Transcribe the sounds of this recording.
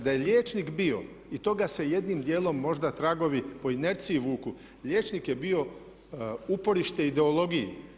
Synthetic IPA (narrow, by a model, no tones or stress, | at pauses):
d̪aje̞ʎʲeːt͡ʃnikbio̞̰ | it̪o̞ɡase̞je̞d̪nimd̪je̞ːlˠo̞mːo̞ʒd̪at̪ɾaɡo̞ʋipo̞ine̞ɾt̪siːʋuːku | ʎʲe̞ːt͡ʃnikjebio̞ | upo̞ɾiʃt̪eid̪e̞o̞lˠo̞ɡijḭ